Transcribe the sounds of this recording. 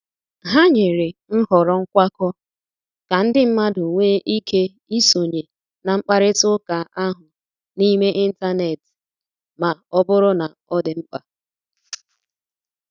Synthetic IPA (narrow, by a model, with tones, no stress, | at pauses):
ɦa˦ɲɪ˨ɾɪ˨n̩˦hɔ˨ɾɔ˦ŋ̩˦kʷa˦kɔ˦ | ka˨n̩˦dɪ˦m̩˦ma˦dʊ˨ŋʷeː˦ʔi˦kʰe˦ | i˦so˨ɲe˨ | na˨ŋ͡m̩˦k͡pa˦ɾɪ˦tʊ˦ka˨a˦ɦʊ˨ | ni˦me˦ʔi˦n̩˦ta˦ne˨tɪ̥˨ | ma˨ɔ˦bʊ˦ɾʊ˦na˨ | ɔ˦dɪ˨ŋ͡m̩˦k͡pa˨